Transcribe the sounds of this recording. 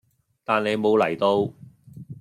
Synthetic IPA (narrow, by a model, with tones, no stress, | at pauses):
t̪aː˨nle˨˧jmo˨˧wlɐ˨˩jt̪o˧w